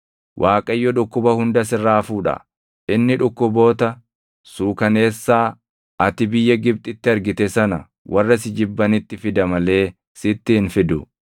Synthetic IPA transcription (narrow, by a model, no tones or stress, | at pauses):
wʔaːkʼɐjːɔᶑʊkːʊbɐhʊnd̪ɐs̬ɪrːaːfuːᶑɐ̰ | ɪnːɪᶑʊkːʊbo̞ːt̪ɐ | suːkɐne̞ːsːaː | ɐt̪ɪbɪjːɐɡɪb̚t̪ʼɪt̪ːɪɐɾɡɪt̪ɛsɐnɐ̰ | wʔɐrːɐsɪd͡ʒɪbːɐnɪt̪ːɪfɪd̪ɐmɐle̞ː | sɪt̪ːɪɪnfɪd̪ʊ